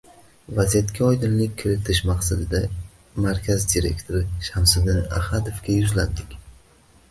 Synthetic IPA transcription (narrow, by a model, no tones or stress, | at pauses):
vazijat̪kʲʰaɒjd̪ɪnlɪk̚ʲkʰʲːɪɾɪt̪ʰɪʃmaqsad̪ɪd̪a | maɾkʲʰazd̪iɾe̞̰kʲt̪ʰoɾɪʃamsɪd̪ɪna̰had̪ofkʲajʊzland̪ɪkʲ